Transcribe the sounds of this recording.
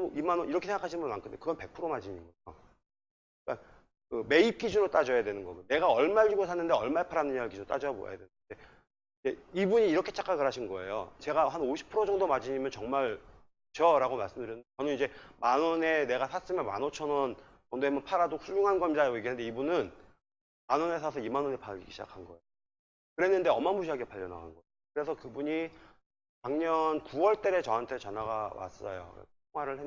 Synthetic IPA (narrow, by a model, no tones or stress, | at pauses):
oimanʌniɾʌkʰeeŋɡakʰaɕʰinmbunma̰nkɯndekɯɡʌnpe̞k̚pʰɯɾomad͡ʑiɲinɡʌjo̰ | ik͈an | kɯme̞ip̚k͈id͡ʑunɯɭt͈ad͡ʑʌjadwe̞nɯnɡʌɡne̞ɡaʌɭmaɭːiɡosʰanːɯnde̞ʌɭmaepʰaɾanɯɲaɡɯɭkid͡ʑunoɭt͈a̰d͡ʑʌjabo̰ja̰ja̰dwennde | id͡ʑe̞ibuɲiːɾʌkʰe̞t͡ɕʰḁk͈aɡɯɾɦaɕʰinɡʌe̞̰jo̰t͡ɕe̞ɡaɦanoɕʰi̥pʰɯɾod͡ʑʌŋdomad͡ʑiɲimjʌnt͡ɕʌŋmaɭ | t͡ɕʌɾaɡomaɭs͈ɯmdɯɾjnɯndet͡ɕʌnɯnid͡ʑe̞manʌne̞ne̞ɡasʰas͈ɯmjʌnma̰not͡ɕʰʌnʌn | kʌndoemʌnpʰaɾadosʰujuŋɦanɡʌmɲidajiɡende̞ibunɯn | manʌne̞sʰasʰʌimanwʌnepʰaḭɡiɕʰd͡ʑa̰kʰanɡʌejo | kɯɾe̞nːɯnde̞ʌmamuɕʰiaɡepaʎːʌna̰ɡa̰nɡʌeokɯɾe̞sʰʌkɯbuɲi | paŋɲʌnkuwʌɭt͈eɾe̞t͡ɕʌɦantʰe̞t͡ɕʌnaɡama̰s͈ʌ̰jo̰tʰoŋɦwaɾɯɭɦe